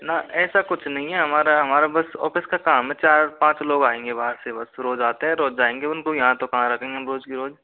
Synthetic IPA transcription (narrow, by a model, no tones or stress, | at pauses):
nɐɛːsakʊt͡ʃʰnɐɦĩɦɛɦɐmaːɾaɦɐmaːɾabɐsɔ̰ːfɪskakaːmɦɛt͡ʃaːɾpãːt͡ʃloːɡaːẽːŋɡebaːəɾsebɐsɾoːd͡ʒaːt̪eɦɛɾoːd͡ʒaːẽːŋɡeʊnkojɐɦãt̪okɐɦãɾɐkʰẽːŋɡemɾoːd͡ʒkiɾoːd͡ʒ